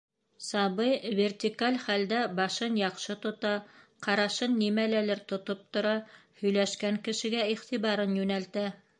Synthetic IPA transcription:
sɑβɤjvʲert̪ʲikalʲχæld̪æbɑʃɤnjɑqʃɤt̪ŏt̪ɑqɑɾɑʃɤnːimælælɘɾt̪ŏt̪op̚t̪ŏɾɑhɵ̆jlæʃkæŋkɘ̆ʃɘ̆ɡæiχt̪iβɑɾɤnjʉnælt̪æ

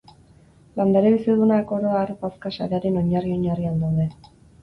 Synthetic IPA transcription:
land̪aɾeβiseðunako̞ɾo̞aɾpaskasa̰ɾe̞aɾe̞no̞ɲario̞ɲariald̪awðe̞

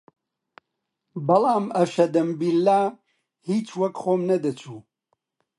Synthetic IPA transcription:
bɐlˠaːmɐfʃɐd̪ɐmbilːaː | hiːt͡ʃwɐkχoːmnɐd̪ɐt͡ʃʰuː

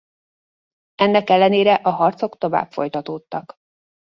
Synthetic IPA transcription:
ɛnːɛkɛlːɛneːɾɛʔɒɦɒrt̪so̞kt̪o̞va̰ːbfo̞̰jt̪ɒt̪oːt̪ːɒk

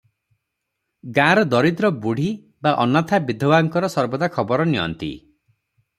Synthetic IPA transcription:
ɡaɾɔd̪ɔɾid̪ɾɔbuɽ̤i | baʔɔnat̪ʰabid̪ʱɔbaŋkɔɾɔsɔɾbɔd̪akʰɔbɔɾɔniɔ̰nt̪ḭ

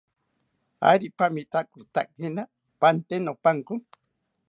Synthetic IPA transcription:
a̰jɾipamit̪akut̪a̰k̚hena | pant̪enopaŋku

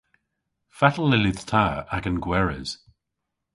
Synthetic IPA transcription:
fatəl̩ˠɪlɪðtʰaaɡənɡwɛɹɪz̥

